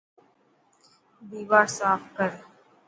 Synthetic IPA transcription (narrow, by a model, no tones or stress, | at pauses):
d̪iːʋaːɾsaːfkəɾ